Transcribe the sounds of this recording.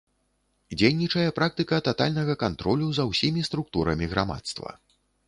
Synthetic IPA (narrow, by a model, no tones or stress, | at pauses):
d͡zʲejnʲit͡ʂɐjɛpɾak̚t̪ɨkɐt̪at̪a̰lʲnɐɣɐkant̪ɾɔlʲuzɐwsʲimʲist̪ɾuk̚t̪uɾɐmʲiɣɾa̰ma̰t̪st̪vɐ̰